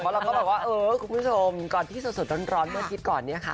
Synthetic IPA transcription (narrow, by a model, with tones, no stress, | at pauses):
pʰɔ˦˥ɾa˧kɔː˥˩bɔː˨˩k̚waː˥˩ʔɤː˧kʰu˧mpʰu˥˩t͡ɕʰo˧mkɔː˨˩nt̪ʰiː˥˩su˨˩su˨˩ɾɔ˥˩nɾɔː˦˥nmaː˥˩k̪ʰi˦˥t̪̚kɔː˨˩nːi˦˥ɐkʰa˦˥